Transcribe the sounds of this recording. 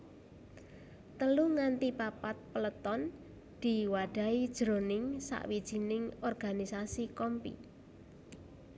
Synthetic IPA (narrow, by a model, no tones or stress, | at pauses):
t̪əluŋant̪ipapat̪̚pələt̪ɔn | d̪̥i̤waɖ̥a̤id̥ʒ̥ɾonɪŋsa̰ʔwid̥ʒ̥i̤nɪŋɔrɡ̥a̤nisasikɔmpḭ